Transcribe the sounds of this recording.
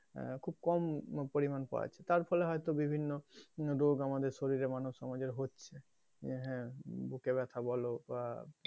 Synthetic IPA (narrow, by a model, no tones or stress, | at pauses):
kʰub̚kɔmpoɾimanpa̰ḛt͡ɕʰet̪aɾfɔleɦɔjt̪obibʱinːoɾoɡamad̪eɾʃoɾiɾemanuʃɔmad͡ʑeɾɦotːɕʰe | ɦɛ̃bukeβɛt̪ʰabɔloba